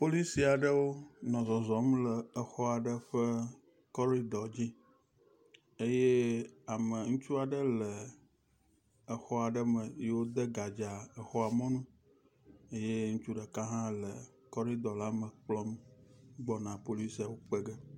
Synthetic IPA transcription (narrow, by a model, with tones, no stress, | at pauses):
po˦li˦si˨a˨ɖə˦wo˦nɔ̃˨zɔ˨zɔ˨m˦ləː˨xɔ˦a˨ɖə˦ɸə˦ | kɔ˦ɾi˦d̪ɔ˨d͡ʑi˦ | e˦je˦a˨mə˨ŋũ˦t͡ʃu˦a˨ɖə˦lə˨ | ə˨xɔ˦a˨ɖə˦mə˨je˦wo˦d̪ə˦ɡa˨d͡ʒa˨ə˨xɔ˦a˨mɔ̃˦nũ˦ | e˦je˦ŋũ˦t͡ʃu˦ɖə˨ka˦ɦã˦lə˨ | kɔ˦ɾi˦d̪ɔ˨la˦mə̃˨k͡plɔ˦mɡ͡bɔ˦nã˨po˦li˦si˨a˨wo˦k͡pə˦ɡə˦